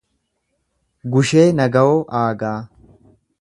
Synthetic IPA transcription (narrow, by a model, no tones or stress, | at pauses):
ɡʊʃe̞ːnɐɡɐwoːʔaːɡaː